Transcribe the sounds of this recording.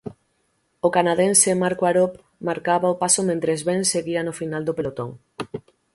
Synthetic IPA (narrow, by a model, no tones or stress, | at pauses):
okanaðẽnsemaɾkwaɾop | maɾkaβaopasomẽnt̪ɾezβenseɣianofinald̪opelot̪oŋ